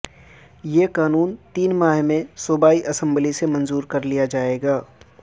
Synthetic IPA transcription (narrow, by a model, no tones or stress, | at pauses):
jeːkaːnuːnt̪iːnmaːɦmẽsʊbaːiʔɐsə̃mblisemɐ̃nzuːɾkɐɾlijad͡ʒaːeːɡaː